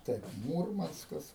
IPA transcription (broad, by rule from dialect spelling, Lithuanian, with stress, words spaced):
ˈtɐɪp ˈmuːrmɐnskɐs